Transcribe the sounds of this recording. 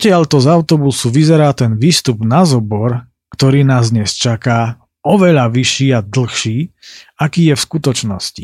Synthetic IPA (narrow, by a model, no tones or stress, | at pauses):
pɔcɪaʎt̪ɔzaʊt̪ɔbusuʋizɛɾaːt̪ɛnʋiːst̪ubnazɔbɔɾ | kt̪ɔɾiːnaːzd̪ɲɛst͡ʃakaː | ɔʋɛʎaʋiʃiːad̪l̩xʃiːakiːjɛfskut̪ɔt͡ʃnɔ̰sci